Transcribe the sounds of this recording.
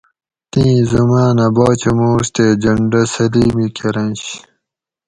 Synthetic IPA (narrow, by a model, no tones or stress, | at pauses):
t̪ĩːzɐmaːnɐboːt͡ɕɐmuːst̪eːd͡ʑɐɳɖɐsɐliːmikʰeɾɐ̃nɕ